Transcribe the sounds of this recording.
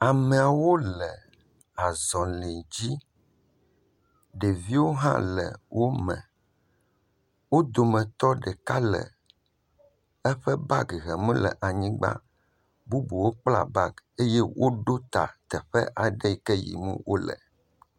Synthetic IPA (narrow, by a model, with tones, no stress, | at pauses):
a˨mẽ˨a˨wo˦lɛ˨ | a˨zɔ̃˨le˨d͡ʑi˦ | ɖe˨vi˦wo˦ɦã̰˦lɛ̰˨wʔo˦mɛ̰̃˨ | wo˦d̪o˨mɛ̃˨t̪ɔ˦ɖɛ˨ka˦lɛ̰˨ | ɛ˦ɸɛ˦ba˦ɡɣɛ˨mũ˦lɛ̰˨ʔa˨ɲĩ˦ɡ͡ba̰˦ | bu˦bu˨wo˦k͡pla̰˨ba˦ɡe˦jɛ˦wʔo˦ɖo˦t̪a̰˨t̪ɛ˨ɸɛ˦ʔa˨ɖɛ˦i˨kɛ˦jḭ˨mṵ̃˦wʔo˦lɛ̰˨